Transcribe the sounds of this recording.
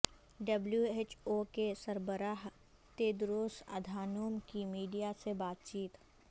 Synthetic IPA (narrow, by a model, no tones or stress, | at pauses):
ɖəbljueːt͡ʃoːkesɐɾbəɾaːɦ | t̪eːd̪ɾoːsɐ̰d̪ʱaːnoːmkimiːɖijasebaːt̪̚t͡ʃiːt̪